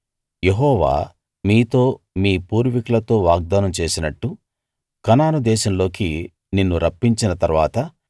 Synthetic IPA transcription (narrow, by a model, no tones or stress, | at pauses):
je̞ɦɔːʋa̰ː | miːt̪o̞ː | miːpuːɾʋikulɐt̪o̞ːʋaːɡ̚d̪aːnɐmt͡ʃe̞ːsinɐʈːu | kɐnaːnud̪ɛːʃɐmlo̞ːki | ninːuɾʔɐpːiɲt͡ʃinɐt̪ɐɾʋaːt̪ɐ